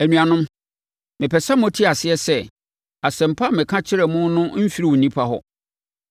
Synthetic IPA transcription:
æ˨nũ˨a˨nʊ̃˦m | mɪ̃˨pʰɛ˨sa˦mõ˦tʰi˦a˨sɪ˦ɛ˦sɛ˦˨ | a˨sɛ̃˨m̩˨pʰa˦˨mɪ̃˨kʰã˦t͡ɕʰɪ˦ɾɛ˨mʊ̃˦nʊ̃˦m̩˦fi˦ɾi˦˨wnĩ˦pʰa˦ɦɔ̰˦

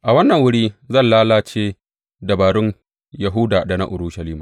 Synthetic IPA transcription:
ʔa˨wɐ˦nːɐ˨ŋwʊ˦ɽiː˦zɐ˦˨nlaː˦laː˦t͡ʃeː˦ | da˨baː˨ɽʊ˦n | ja˨ɦʊ˦daː˨da˨na̰˦ʔʊ˨ɾuː˦ʃɐ˨liː˦maː˨

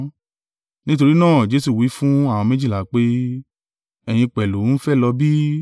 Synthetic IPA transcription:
nĩ˦t̬o˧ɾi˦nãː˦˨d͡ʒe˨˦su˦˨wi˨˦fũ˦a˦˨w̃ɔ̃˧mẽ˦d͡ʒi˦˨la˨k͡pe˦ | ɛ˨j̃ĩ˧k͡pɛ˨lu˨˦n̩˦fɛ˦˨lɔ˧bi˦

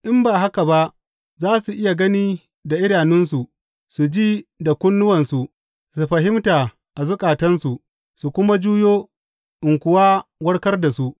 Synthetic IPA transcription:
ʔɪ˦mbaː˨ɦa˦ka˨ba˦ʔ | zaː˦su˨ʔɪ˦ja˨ɡɐ˦niː˦ | da˨ʔɪ˦ɽaː˨nɪ˦nsu˨ | su˨d͡ʒiː˦da˨kʷʊ˦nːʊ˦wɐ˨nsu˨ | su˨ɸɐ˨ɦɪ˦mtaː˨ | ʔa˨zʊ˦kʼaː˨tɐ˦nsu˨ʔ | su˨kʷʊ˦ma˦d͡ʒuː˦joː˦ | ʔɪ˨ŋkʷʊ˨waː˦wɐ˦ɽkɐ˦rda˨su˦ʔ

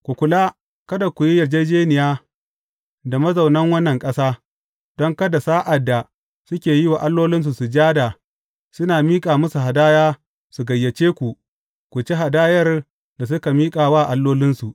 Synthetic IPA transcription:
kʷu˨kʷʊ˨laː˦ | kɐ˦da˨kʷu˨ji˦jɐ˨rd͡ʒe˦d͡ʒeː˦nɪ˨jaː˦ | da˨mɐ˦zɐ˨wnɐ˦ŋwɐ˦nːɐ˨ŋkʼɐ˦saː˦ | d̥ɔ˦ŋkɐ˦da˨saː˦ʔa˨dːa˨ | sʊ˦kʲeː˨ji˦waː˨ʔa˦lːoː˦lɪ˦ns̬u˨su˨d͡ʒaː˦da˨ | sʊ˦naː˨miː˦kʼaː˨mɐ˦su˨ɦa˨daː˦jaː˦ | su˨ɡɐ˨jːɐ˨t͡ʃeː˦kʷu˨ | kʷu˨t͡ʃe˦ɦa˨daː˦jɐ˦r | da˨s̬ʊ˦ka˨miː˦kʼaː˨waː˦˨ʔa˦lːoː˦lɪ˦nsu˨

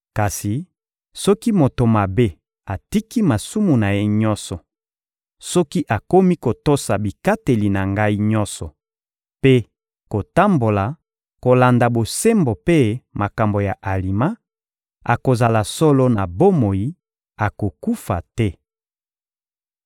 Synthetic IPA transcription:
ka˨si˨ | sɔ˦ki˦mo˨to˨ma˨be˦ | a˨ti˦ki˦ma˨su˦mu˨na˨je˦ɲɔ˦sɔ˨ | sɔ˦ki˦ʔa˨ko˦mi˦ko˨to˦sa˨bi˨ka˦te˨li˨na˨ŋɡa˦i˦ɲɔ̃˦sɔ˨ | pe˦ | ko˨ta˦mbo˨la˨ | ko˨la˨nda˨bo˨se˦mbo˨pe˦ma˨ka˨mbo˨ja˨ʔa˨li˨ma˦ | a̰˨ko˨za˨la˨sɔ˦lo˦na˨bo˦mo˨ji˦ | a˨ko˨ku˦fa˨tɛ˦

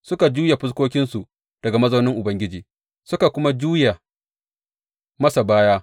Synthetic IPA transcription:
sʊ˦ka˨d͡ʒuː˦ja˨ɸʊ˦s̬kʷoː˦kʲɪ˦nsu˨ | d̥ɐ˨ɡa˨mɐ˦zɐ˦nɪ˦ŋʔʊ˨bɐ˦ŋɡʲɪ˦d͡ʒiː˨ | sʊ˦ka˨kʷʊ˦ma˦d͡ʒuː˦ja˨ | mɐ˦sa˨baː˦jaː˦

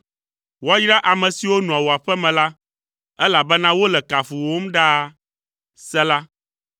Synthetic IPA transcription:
wa˦jɾa˦ʔa˨mɛ̃˨si˨wo˦nũ˨a˨wo˨a˨ɸɛ˦mɛ̃˨la˦ | ɛ˦la˨bɛ˦nã˦wo˦lɛ˨ka˨fu˨wo˦m̩˦ɖa˦ | sɛ˦la˦

